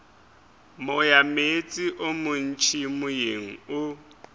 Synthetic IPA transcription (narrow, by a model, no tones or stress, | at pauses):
mʊjamet͡sʼiʔʊmʊn̩t͡ʃʰimʊjeŋ̩ʊ